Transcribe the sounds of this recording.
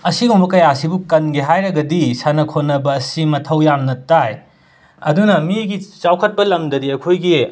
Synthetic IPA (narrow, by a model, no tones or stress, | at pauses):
ɐsiɡumbɐkɐjasibukɐnɡeɦajɾɐɡɐdisanɐkʰonːɐbɐːsimɐtʰɐwjamnɐtaj | ɐ̰dunɐmiɡit͡ʃawkʰɐt̚pɐlɐmdɐdiɐkʰojɡi